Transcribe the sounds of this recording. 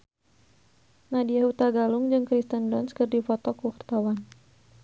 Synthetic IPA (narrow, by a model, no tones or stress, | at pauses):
nadijahut̪aɡalʊŋd͡ʒɨŋkɾist̪əndɔnskɨrdifɔt̪ɔkukərt̪awan